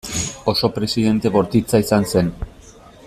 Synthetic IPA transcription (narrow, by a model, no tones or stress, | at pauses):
o̞so̞pɾe̞siðe̞nt̪e̞βo̞ɾt̪it͡saisanse̞n